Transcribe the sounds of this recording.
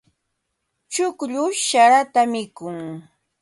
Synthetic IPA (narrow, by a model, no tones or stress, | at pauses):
t͡ʃʊkʎʊʃaɾat̪amɪkʊŋ